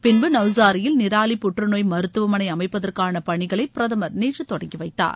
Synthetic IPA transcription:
pɪnbɯnɐʋs̬aːɾɪjɪlnɪɾaːɭipʊʈrɯnoːjmɐɾɯt̪ːɯʋɐmɐnɐɪɐmɐɪpːɐðɐrkaːnɐpɐɳɪɣɐɭɐɪpɪɾɐðɐmɐɾniːʈrɯt̪ːɔɽɐŋɡiʋɐɪt̪ːa̰ːɾ

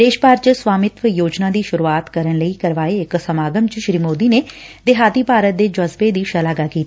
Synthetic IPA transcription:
d̪eːʃpaːɾt͡ʃswaːmɪt̪ʋəjoːd͡ʒnãːd̪iːʃʊɾuaːt̪kəɾənləiːkəɾʋaːeɪksəmaːɡəmt͡ʃʃɾiːmoːd̪iːneːd̪ɪɦaːt̪iːpaːɾət̪̚d̪eːd͡ʒəzbeːd̪iːʃəlaːɡaːkiːt̪aː

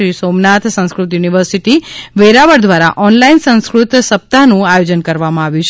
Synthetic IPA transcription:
ɾisomnat̪ʰsə̃w̃skɾut̪juniʋəɾsiʈiʋeɾaʋəɽd̪ʋaɾa̰ʔɔnlainsə̃ñskɾut̪səp̚t̪anũajod͡ʒənkəɾʋamãaʋjũt͡ʃʰ

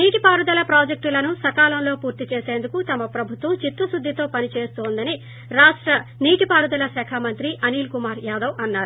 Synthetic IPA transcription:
niːʈipaːɾud̪ɐlɐpɾaːd͡ʒek̚ʈulɐnusɐkaːlɐmlo̞ːpuːɾt̪it͡ʃeːse̞ːnd̪ukut̪ɐmɐpɾɐbʱut̪ʋɐmt͡ʃit̪ːɐsud̪ʱːit̪o̞ːpɐnit͡ʃeːst̪oːnd̪ɐni | ɾaːʂʈɾɐniːʈipaːɾud̪ɐlɐsɛːkʰamɐnt̪ɾiʔɐniːlkumaːɾjaːd̪ɐwɐnːaːɾu

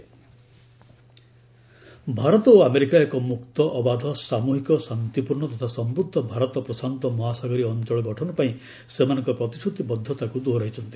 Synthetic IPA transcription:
bʱaɾɔt̪ɔoameɾikaekɔmukt̪ɔʔːbad̪ʱɔsamuɦikɔsant̪ipuɾɳɔt̪ɔt̪ʰasɔmbɾud̪ʱːɔbʱaɾɔt̪ɔpɾɔsant̪ɔmɔɦasaɡɔɾiɔnt͡ʃɔɭɔɡɔʈʰɔnɔpaĩ | semanɔ̃ŋkɔpɾɔt̪isut̪ibɔd̪ʱːɔt̪akud̪oɾaɦjt͡ʃʰɔnt̪i̥

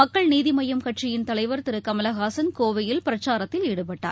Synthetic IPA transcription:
mɐkːɐɭniːðɪmɐjɐmkɐʈrɪjɪnt̪ɐlɐɪʋɐɾt̪ɪɾɯkːɐmɐlɐɣaːsɐnkoːʋɐjɪlpɪɾɐt͡ʃːaːɾɐt̪ːɪliːɽɯpɐʈːa̰ːɾ

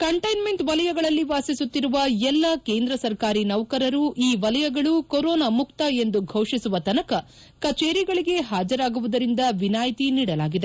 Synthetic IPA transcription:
kɐɳʈɐjnme̞ɳʈʋɐlɐjɐɡɐɭɐlːiʋaːsisut̪ːiɾuʋɐɛlːɐkeːnd̪ɾɐsɐɾkaːɾinɐʋɐkɐɾɐɾuʔiːʋɐlɐjɐɡɐɭukoɾɔːnamukt̪ɐe̞nd̪uɡʱɐwʂisuʋɐt̪ɐnɐkɐ | kɐt͡ʃeːɾiɡɐɭiɡe̞ɦaːd͡ʒɐɾaːɡuʋud̪ɐɾind̪ɐʋinaːjt̪iniːɽɐlaːɡid̪e

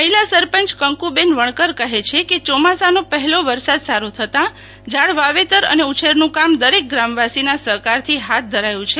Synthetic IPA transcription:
məɦilasəɾpənt͡ʃkəŋkubenʋəɳ̃kəɾkəɦet͡ʃʰeket͡ʃɔmasanõpəɦɛloʋəɾsad̪saɾut̪ʰət̪ã | d͡ʒaɭʋaʋet̪əɾə̰neut͡ʃʰeɾnũkamd̪əɾek̚ɡɾamʋasinasəɾkaɾt̪ʰiɦat̪̚d̪ʱəɾajũt͡ʃʰe

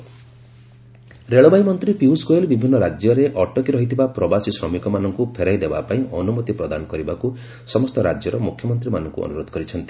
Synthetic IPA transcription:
ɾeɭɔbajmɔnt̪ɾipiusɡoelbibʱinːɔɾad͡ʒjɔɾeʔɔʈɔkiɾɔɦit̪ʰibapɾɔbasisɾɔmikɔmanɔŋkupʰeɾajd̪eba̰paĩʔɔnumɔt̪ipɾɔd̪anɔkɔɾibaku | sɔmɔst̪ɔɾa̰d͡ʒjɔɾɔmukʰjɔmɔnt̪ɾimanɔŋkṵɔ̰nuɾod̪ɔ̥kɔɾit͡ʃʰɔnt̪i

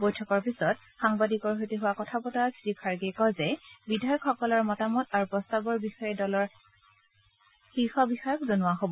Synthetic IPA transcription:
bojtʰɔkɔɹpisɔt | xaŋbadikɔɹɦotiɦʊwakɔtʰapɔtasɹikʰaɹɡekɔzɛbidajɔkʰxɔkɔlɔɹmɔtamɔtaɹupɹɔstabɔɹbixɔjɛdɔlɔɹ | xixɔbixɔjɔkzonʊwaɦobɔ

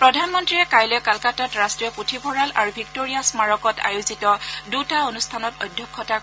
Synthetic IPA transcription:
pɹɔdʱanmɔntɹiɹɛkajlɔjkalkatatɹastɹijɔputʰibʰɔɹalʔa̰ɹubʱik̚toɹijasmaɹɔkɔtʰa̰juzitɔdutaonustʰanɔtɔ̰jdʱːɔkʰːɔta

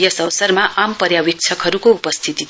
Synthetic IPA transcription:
jʌsʌwsʌrmaʔampʌɾjawik̚t͡sʰʌkɦʌɾukoupʌst̪ʰit̪i

